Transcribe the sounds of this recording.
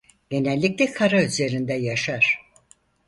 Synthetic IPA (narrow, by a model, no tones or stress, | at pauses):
ɟ̥e̞nɛlʲːic̚lʲɛkʰaɾayze̞ɾind̪ɛjaʃaɾ̥